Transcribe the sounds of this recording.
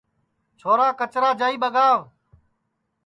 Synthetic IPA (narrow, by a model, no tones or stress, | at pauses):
t͡ʃʰoːɾaːkət͡ʃɾaːd͡ʒaːiːɓəɠaːʋ